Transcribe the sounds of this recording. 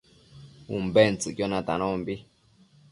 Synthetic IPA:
umbent͡sɨkjonãt̪a̰nõmbi

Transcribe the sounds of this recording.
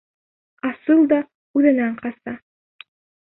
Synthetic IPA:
ɑsɯlˠd̪ɑ | ʉðænæɴqʰɑsɑ

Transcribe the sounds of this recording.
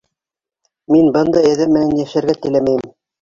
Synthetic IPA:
minbɤnd̪ɑɘ̆ðɘmːɘ̆nænjæʃæɾɡæt̪ɘ̆læmæjɘm

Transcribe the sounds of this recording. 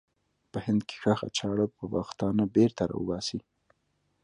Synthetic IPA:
pəhɪnd̪kʰe̥xaxa̰t͡ʃɑɽəpəwɑ̰xt̪ɑnabeɾt̪aɾɑ̰wə̰bɑsi

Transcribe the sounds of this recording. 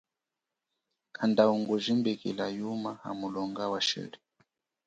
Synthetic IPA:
andauŋɡuʒimbikḭlajumaha̰mulɔŋɡawaʃɛ̰ɺi

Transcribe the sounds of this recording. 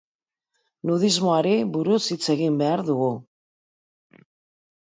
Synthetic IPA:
nuðizmo̞aɾebuɾusit͡se̞ɣimbe̞aɾðuɣu

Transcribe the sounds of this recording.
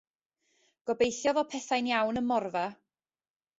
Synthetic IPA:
ɡ̥ɔbejθjɔðɔpʰɛθajnjawnəmɔrva

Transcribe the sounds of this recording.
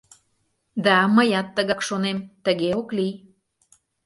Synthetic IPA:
d̪ɑməjɑt̪ːəɣɑkʃonemt̪əɣeokli

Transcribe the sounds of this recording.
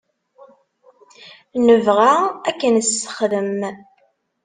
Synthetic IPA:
nəvʁaækːənəsːə̥χðəm

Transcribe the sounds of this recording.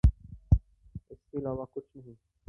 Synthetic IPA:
ɪskeɪlaːʋakʊt͡ʃʰnɐɦĩː

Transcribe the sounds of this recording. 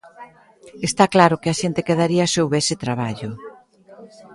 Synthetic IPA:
est̪aklaɾʊkeɪaʃent̪ɪkeðaɾiɐaseowβɛsɪt̪ɾaβ̞aʎʊ

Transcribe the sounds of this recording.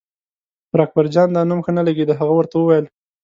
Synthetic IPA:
ɾɑk̚baɾd͡ʒɑnd̪ɑnumxənalaɡed̪əɦaɣawəɾt̪awəwajəl

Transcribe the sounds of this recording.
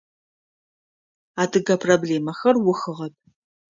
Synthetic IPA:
aːdʰɨɡɐpʰrobɮeːmɐxɐrwʊxɨʁɐp̚ʰ

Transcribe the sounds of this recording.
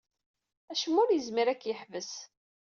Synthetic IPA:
æʃəmːʊɾjəzmiɾækːjəħvəs

